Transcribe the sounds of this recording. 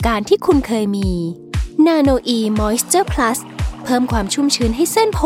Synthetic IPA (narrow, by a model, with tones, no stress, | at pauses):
kaː˧nt̪ʰiː˥˩kʰu˧nkʰɤː˧jmiː˧ | naː˧noː˧ʔiː˧mɔː˦˥st̪ɤː˥˩pʰla˦˥s | pʰɤː˥˩mkʰwaː˧mt͡ɕʰu˥˩˨mt͡ɕʰɯː˧nɦa˥˩jse˥˩npʰo˧